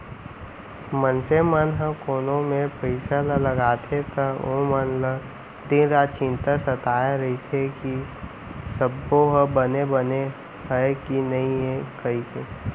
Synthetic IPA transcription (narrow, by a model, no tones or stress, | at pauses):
mənsemənɦə̃koːnõmẽpəɪsalələɡaːt̪ʰet̪əõmənlə | d̪inɾaːd̪t͡ʃɪ̃nt̪asət̪aːeɾɐit̪ʰeki | səbːoɦəbənebəne | ɦəekinɐɦĩɦekəik̪ʰe